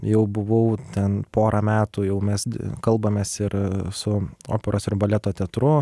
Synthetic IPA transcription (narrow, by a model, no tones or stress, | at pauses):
jɛʊbʊʋɐʊt̪ʲɛnpoːɾʔɐmʲæːt̪uːjɛʊmʲɛsʲkɐlˠbɐmʲeːsɪɾsʊo̰ːpʲɛɾoːsɪrbɐlʲɛt̪oːt̪ʲɛt̪ɾʊ